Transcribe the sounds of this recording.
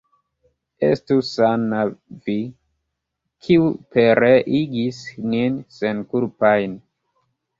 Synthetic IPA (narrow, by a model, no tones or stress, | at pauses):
ḛstusanavi | kʰiupe̞ɾeʔiɡisninsenkulpajn